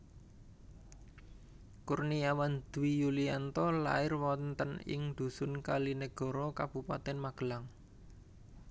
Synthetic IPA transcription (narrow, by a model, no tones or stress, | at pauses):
kurniawand̪̥wijuliant̪ɔla̰ɪrwɔnt̪ənɪ̰ŋd̪̥ṳsʊnkalineɡ̥ɔ̤ɾɔkab̥ṳpa̰t̪ɛnmaɡ̥ə̤laŋ